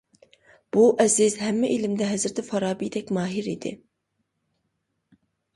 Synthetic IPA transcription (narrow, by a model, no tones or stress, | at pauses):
b̥uʔɛzɪzhɛmːɛʔelɪmd̪ɛɦɛzɪɾt̪ʰɪfɑɾɑːbid̪ɛkʲmɑːɦɪɾid̪ɪ̰